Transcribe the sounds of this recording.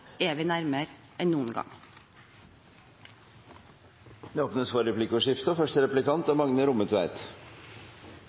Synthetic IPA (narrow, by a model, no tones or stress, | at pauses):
eːʋɪnæɾməɾ | ʔɛnnuːənɡɑ̰ŋ | d̪eoːpnəsfɔɾɛpʰlɪkɔʂɪft̪əɔfœʂʈəɾɛplɪkɑnt̪ɑmɑŋnəɾʊmət̪ʰʋæɪt̪